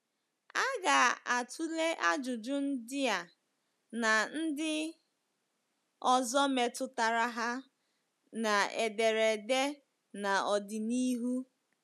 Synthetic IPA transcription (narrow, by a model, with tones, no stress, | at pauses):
a˦ɡa˨a˨tʰu˦le˦ʔa˦d͡ʒʊ˨d͡ʒʊ˦n̩˦dɪ˦a˨ | na˨n̩˦dɪ˦ | ɔ˨zɔ˦me˨tʊ˨ta˨ɾa˦ɦa˦ | na˨e˨de˨ɾe˨de˦ | na˨ɔ˨dɪ˨ni˦ɦu˦